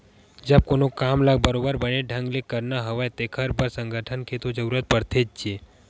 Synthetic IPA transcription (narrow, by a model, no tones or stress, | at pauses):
d͡ʒəb̚koːnokaːmləɡ̚bəɾoːbəɾbəneɖʱə̃ŋɡlekəɾnaɦəʋəjt̪ekʰəɾbəɾsə̃ŋɡʱəʈʰənkʰet̪od͡ʒəɾuːɾət̪̚pəɾt̪ʰeːd͡ʒ̚t͡ʃie